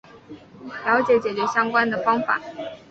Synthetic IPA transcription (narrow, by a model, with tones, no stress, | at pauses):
ljɑ˧˥ʊt͡ɕjɛ˨˩˥t͡ɕjɛ˨˩t͡ɕɥɛ˧˥ɕjɑ˥ŋkwa˥nd̪ə˨fɑ˥ŋfa̰˨˩˦